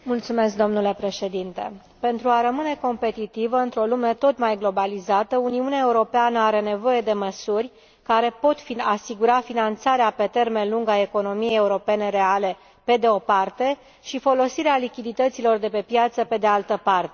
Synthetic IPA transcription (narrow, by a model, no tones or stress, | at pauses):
mult̪sume̞sk̚d̪o̞mnule̞pɾe̞ʃe̞d̪int̪e̞̰ | pe̞nt̪ɾuaɾəmɨne̞ko̞mpe̞t̪it̪ivəɨnt̪ɾo̞lume̞t̪o̞t̪majɡlo̞balizat̪əuniuneaeuɾo̞peanəaɾe̞ne̞vo̞je̞d̪e̞məsurʲ | kaɾe̞po̞t̪fiasiɡuɾafinant̪saɾeape̞t̪e̞rme̞nluŋɡaeko̞no̞mijejeuɾo̞pe̞ne̞ɾe̞ale̞ | pe̞d̪eo̞part̪e̞ | ʃifo̞lo̞siɾealikʲid̪it̪ət̪silo̞rd̪e̞pe̞pjat̪səpe̞d̪ealt̪əpart̪e